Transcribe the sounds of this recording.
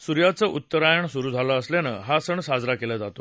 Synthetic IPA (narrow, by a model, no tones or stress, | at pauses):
suɾjat͡səʔutt̪ːəɾajaɳsuɾuːd͡zʱaləːslanə̰ɦasəɳsad͡zɾakelad͡zat̪o